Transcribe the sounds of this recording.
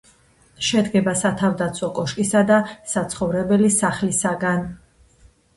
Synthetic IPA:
ʃɛd̪ɡɛbasat̪ʰavd̪at̪sʰwɔkʼɔʃkʼisad̪asat̪sʰχɔvɾɛbɛlisaχlisaɡan

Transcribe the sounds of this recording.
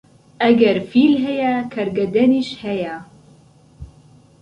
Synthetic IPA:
ʔɐɡɐɾfilɦɐjɐkʰɐɾɡɐd̪ɐniʃhɐjɐ

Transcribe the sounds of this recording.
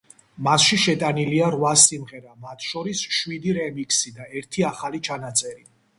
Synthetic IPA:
masʃiʃɛt̪ʼaniliaɾwasimʁɛɾamat̪ʰʃɔɾisʃwid̪iɾɛmikʰʼsid̪aɛɾt̪ʰiaχalit͡ʃʰanat̪sʼɛɾi

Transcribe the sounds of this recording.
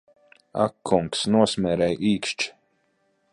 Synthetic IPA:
a̰kʰːuŋksnuɔsmʲɛːɾɛjʔiːkʃt͡ʃ

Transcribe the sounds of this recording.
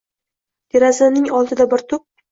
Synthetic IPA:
t̪ʲʰeɾazɪnɪŋɒlˠt̪ʰɪd̪abɪɾt̪ʰʊp̚

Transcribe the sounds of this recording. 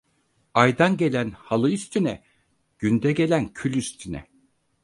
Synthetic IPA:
ajd̪anɟe̞lʲænhalˠɯyst̪ʰynɛ | ɟ̥ynd̪ɛɟelʲæncʰylʲyst̪ʰynɛ̰

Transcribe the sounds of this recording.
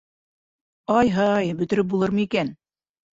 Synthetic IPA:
ɑjɦɑjbɵ̆t̪ɘ̆ɾɘp̚bulˠɤɾmɤikæn

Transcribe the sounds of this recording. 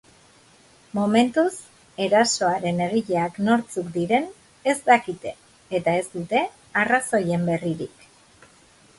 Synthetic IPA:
mome̞nt̪us | e̞ɾaso̞aɾe̞ne̞ɣiʎeakno̞ɾt͡sukd̪iɾe̞n | e̞zd̪akit̪e̞ː | t̪ae̞zd̪ut̪e̞ | araso̞je̞mbe̞riɾik

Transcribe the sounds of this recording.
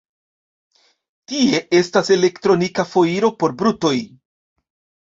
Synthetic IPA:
tie̞ʔe̞stase̞le̞ktɾo̞nikafo̞iɾo̞po̞ɾbɾuto̞j

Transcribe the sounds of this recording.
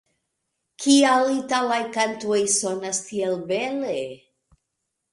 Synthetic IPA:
kʰialitalajkantuojso̞nastielbele

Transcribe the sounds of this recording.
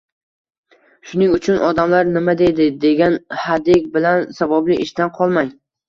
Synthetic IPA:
ʃʊnɪŋʊt͡ʃʰʊnʔɒd̪amlaɾnɪmad̪e̞d̪ɪd̪e̞ɡʲanhad̪ɪk̚ʲbɪlansavablɪʔɪʃt̪anqʰɒlˠmaj

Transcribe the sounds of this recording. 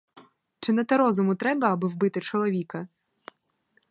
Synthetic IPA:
t͡ʃɪnɐt̪ɐɾɔzʊmʊt̪ɾɛbɐːbɪwbɪt̪ɪt͡ʃɔlˠɔʋʲikɐ

